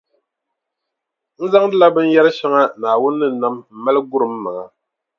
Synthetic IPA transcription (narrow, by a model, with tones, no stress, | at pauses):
n̩˦za˦ŋdɨ˦la˦bɨ˦n˦jɛ˦ɾɨ˦ʃɛ˦ŋa˦naː˨wʊ˦nːɨ˦˨na˦mm̩˨ma˦lɨ˦ɡʊ˦ɾɨ˨mː˦a˨ŋa˨